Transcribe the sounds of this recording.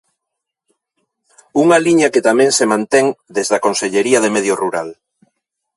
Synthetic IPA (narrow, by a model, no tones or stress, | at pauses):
uŋaliɲɐket̪amẽŋsemãnt̪ɛŋd̪ezðakõnseʎeɾiɐðemeðjoruɾa̰l